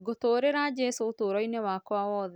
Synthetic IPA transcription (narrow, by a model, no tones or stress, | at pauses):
ɡotoːɾeɾad͡ʒɛsoːtoːɾɔinewakɔawɔːðɛ